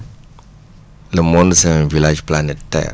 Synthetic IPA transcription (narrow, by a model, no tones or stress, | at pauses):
ləmɔ̃ndəsəŋvilad͡ʒplanɛttɛ̰